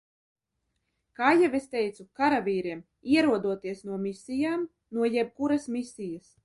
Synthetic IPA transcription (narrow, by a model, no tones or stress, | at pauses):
kaːjɛvest̪ɛjt̪sukaɾavʲiːɾiɛm | iɛɾuɔd̪uɔt̪iɛsnuɔmisijaːm | nuɔjɛb̚kuɾasmisʲijɐs